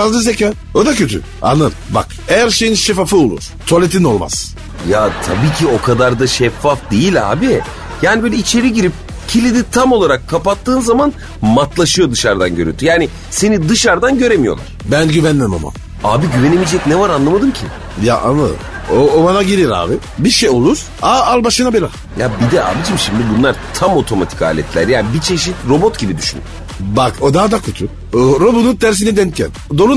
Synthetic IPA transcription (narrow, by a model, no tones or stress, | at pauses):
fazd̪azecʲaː | o̞d̪acʰø̞t̪ʰy̰ | a̰nɯɾba̰k | ejæɾʃejinʃefafɯolˠṵɾ̥t̪ʰoalʲet̪ʰino̞lˠma̰z̥ | jat̪ʰabiːcʰio̞kʰad̪aɾd̪aʃɛfːafd̪ejilʲa̰ːbi | jaːnibøːlʲɛit͡ʃʰe̞ɾiɟiɾip̚ | cʰilʲid̪it̪ʰamo̞lˠaɾakʰːapat̪ːɯːnzaman | mat̪lˠaʃɯjo̞d̪ɯʃaɾd̪anɟøɾy̰nt̪ʰyjaːnɪ | se̞nid̪ɯʃaɾd̪anɟø̞ɾemijolˠa̰ɾ̥bænɟyvænlɛma̰ma̰m | a̰ːbiɟyvenemid͡ʒɛcnɛvaɾanlˠamad̪ɯmcʰi | ja̰ʔa̰nˠa | oobanaɟiɾiɾa̰ːbi | biɾʃejo̞lˠuɾ̥ | aalˠbaʃɯnabelʲa | jabid̪ɛa̰ːbid͡ʒimʃimd̪ibunlˠaɾt̪ʰamo̞t̪ʰo̞mat̪ʰi̥ka̰ːlʲɛ̰t̪lʲæ̰ɾjabit͡ʃʰe̞ʃit̪ɾo̞bot̪ɟibid̪yʃynd̪y | bakod̪aɦad̪akʰut̪ʰu | ɾobununt̪ʰæɾs̬inɛd̪ɛncʰæ̰nd̪o̞ɾu